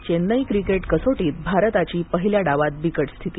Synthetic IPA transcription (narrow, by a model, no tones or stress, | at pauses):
t͡ɕenːəjkɾikeʈkəsoʈiːt̪̚bʱaɾt̪at͡ɕiːpəɦiljaɽaʋat̪̚bikəʈst̪ʰit̪i